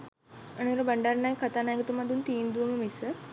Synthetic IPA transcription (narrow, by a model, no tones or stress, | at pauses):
ənuɾəbəɳɖaɾnajkat̪aːnajɡət̪umad̪unt̪iːnd̪uʋəməmisə